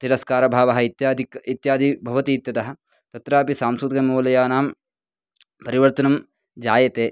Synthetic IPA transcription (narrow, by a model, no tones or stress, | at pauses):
t̪iɾɐskaːɾɐbʱaːʋɐɦɐit̪jaːd̪ʱikit̪jaːd̪ʱibʱɐʋɐt̪iːt̪jɐt̪ɐɦɐ̆ | t̪ɐt̪ɾaːpisaːmsɾut̪kɐmuːlɐjaːnaːm | pɐɾiʋɐɾt̪ɐnɐm | d͡ʒaːjɐt̪eː